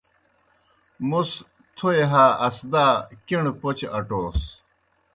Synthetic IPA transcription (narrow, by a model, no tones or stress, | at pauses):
mus | t̪ʰoeɦaːɐsd̪aːkiɳpot͡ɕɐʈoːs